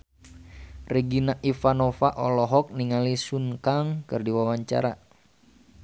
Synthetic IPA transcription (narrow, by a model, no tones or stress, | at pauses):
reɡinaʔifanɔfa̰ʔɔlɔɦɔk̚niŋalisunkaŋkɨrdiwawaɲt͡ʃa̰ɾa̰